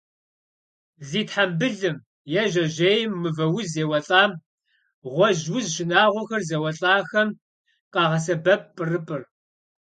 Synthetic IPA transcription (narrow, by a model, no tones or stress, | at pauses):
ziːtħambɨɮɨm | jɛʒɐʒejɪmːɨvɐwʊzeːwɐɬʼaːm | ʁʷɔʒwʊzʃɪnaːʁʷɔxɐrzɐwɐɬʼaːxɐm | qɑːʁɐs̬ɐbɐp̚pʼːɨrɨpʼɨr